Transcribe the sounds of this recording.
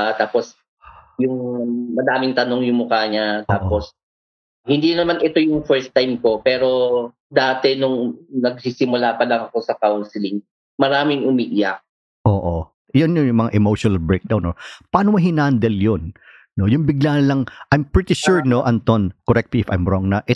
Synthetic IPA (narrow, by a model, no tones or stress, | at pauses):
t̪aːpos | jʊŋmɐd̪aːmɪŋt̪ɐno̞ŋjʊŋmʊkaːɲat̪aːʔpos | hɪnd̪inɐmanʔɛt̪o̞jʊŋfɛɹst̪ajmko̞pɛːɾo̞ | d̪aːt̪ɛnʊŋnɐɡ̚sisɪmʊlaːpɐlɐŋɐko̞sɐkawnsɪlɪŋ | mɐɾaːmɪŋʊmiʔɪjak̚ | ʔoːʔo | jʊnjʊŋjʊŋmɐŋa̰ʔɛmowʃonɐlbɹejk̚d̪awnopaːnomɐɦɪnaːnd̪ɛljon | no̞jʊŋbɪɡlaːnɐlɐŋʔajmpɹit̪ɪʃuɹno̞ʔɐnt̪onkoɾɛk̚t̪liɪfa̰jmɹoŋnɐʔɪ